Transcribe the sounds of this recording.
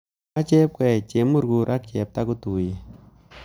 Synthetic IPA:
a˦t͡ʃɛ˦p̚kwɛ˨t͡ʃe˨mu˦ɾɡu˨ɾʔa˦k̚t͡ʃɛ˨p̚ta˦ku˦tu˨ji˨

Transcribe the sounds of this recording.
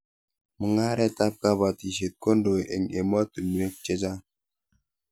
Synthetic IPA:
mə˨ŋa˦ɾɛ˦ta˦p̚ka˦βa˨ti˨ʃe˨t̚ko˦ndo˨ḛ˨ɲe˨m˦a˦tu˨m˨e˦k̚t͡ʃe˦d͡ʒa˦

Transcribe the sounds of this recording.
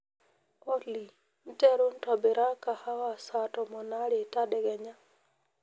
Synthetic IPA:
o˦li˨ | n̩˦tɛ˦ɾo˦n̩˦tɔ˨bɪ˨ɾa˦ka˨ha˦wa˨sa˨tɔ˨mɔ˨na˦ɾɪ˨ta˦dɛ˨ɡɛ˨ɲa˦

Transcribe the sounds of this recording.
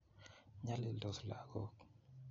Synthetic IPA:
ɲa˦lɪ˨ldɔ˨sla˨ɡ̥ɔ˦k

